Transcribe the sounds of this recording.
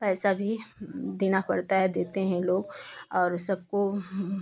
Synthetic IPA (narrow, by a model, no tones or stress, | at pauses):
pɛːsabʱid̪eːnapɐɽt̪aɦɛd̪eːt̪eɦɛ̃loːɡɔːɾsɐbko